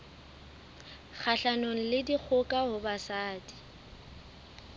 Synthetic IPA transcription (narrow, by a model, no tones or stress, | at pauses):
k͡xʰaɬanoŋ̩lɪdik͡xʰʊkʼaɦʊbasaːdi̥